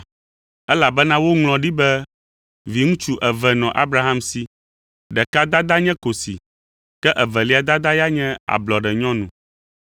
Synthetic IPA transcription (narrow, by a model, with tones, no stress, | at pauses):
ɛ˦la˨bɛ˦nã˦wo˦ŋl̃ɔ̃˨ɖi˦bɛ˦ | vi˨ŋũ˦t͡ʃu˦ʔɛ˨vɛ˨nɔ̃˨ʔa˦bɾa˦ɦa˦msi˦ | ɖɛ˨ka˦d̪a˦d̪a˦ɲɛ̃˦ko˨sḭ˨ | kɛ˦ʔɛ˨vɛ˨li˦a˨d̪a˦d̪a˦ja˦ɲɛ̃˦a̰˨blɔ˨ɖɛ˨ɲɔ̃˦nṵ̃˨